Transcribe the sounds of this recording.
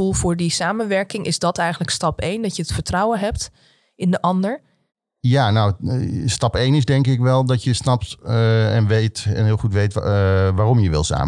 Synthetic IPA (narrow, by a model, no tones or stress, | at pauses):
ulˠvʊːɹdisaːmənʋɛɹkɪŋʔɪ̰zdɑtɛjχənləkstɑpejndɑtjəətfəɹtrɔwənɦɛp̚t | ɪndəʔɑndəɹ | jaːnawstɑpejnɪzdɛŋkɪkʋɛlˠdɔtjəsnɑp̚tɛnʋejtɛnɦɪːlˠχutʋejtʋaːrɔmjəʋɪ̰lˠsa̰ːmə